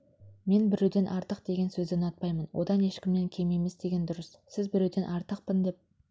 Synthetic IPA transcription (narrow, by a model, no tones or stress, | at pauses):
me̞nbɪɾewd̪e̞nʔɑɾt̪əqd̪e̞ɡʲe̞nsɵzd̪ɪnɑt̪̚pɑjmənwʔo̞̰d̪ɑne̞ʃkʲɪmneŋkʲʰe̞me̞mesd̪e̞ɡʲe̞nd̪ʊɾəssɪzbɪɾewd̪e̞nʔɑɾt̪əqpɪnd̪e̞p̚